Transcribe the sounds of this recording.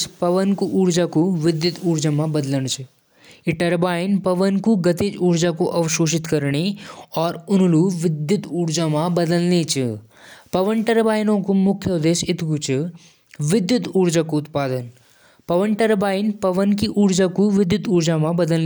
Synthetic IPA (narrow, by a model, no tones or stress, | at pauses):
spɐʋənkuʔuːɽd͡ʒakuʋɪd̪jʊt̪uːɾd͡ʒamãbɐd̪ləñt͡ʃʰ | ɪʈɐɾbaːjɪnpɐʋənkuɡɐt̪ed͡ʒuːɾd͡ʒakoʔɐʋʃoːʃɪt̪kɐɾɳeɔːɾʊnluʋɪd̪jʊt̪uːɾd͡ʒamãbɐd̪əlnet͡ʃʰɨ | pɐʋənʈɐɾbaːjnõkumʊkʰːjəʊd̪eːʃɪt̪ʰkut͡ʃɨ | ʋɪd̪jʊt̪uːɽd͡ʒakoʊt̪paːd̪ən | pɐʋənʈɐɾbaːɪnpɐʋənkiʔuːɽd͡ʒakuʋɪd̪jʊt̪uːɾd͡ʒamãbɐd̪əln